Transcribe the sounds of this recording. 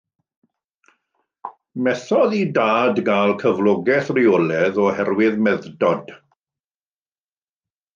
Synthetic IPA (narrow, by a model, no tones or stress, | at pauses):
mɛθɔðidaːdɡalˠkʰəvlˠɔɡɛθrɪɔlɛðɔhɛrwɪðmɛðdɔd̥